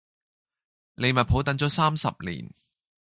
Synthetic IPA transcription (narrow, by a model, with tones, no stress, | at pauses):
le˨˧jmɐ˨pʰo˨˥wt̪ɐ˨˥ŋt͡ʃɔː˨˥saː˥msɐ̰˨p̚lḭː˨˩n